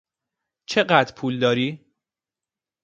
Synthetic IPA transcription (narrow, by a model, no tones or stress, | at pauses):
t͡ʃʰe̞ɢæd̪ɾpʰuːld̪ɒːɾiː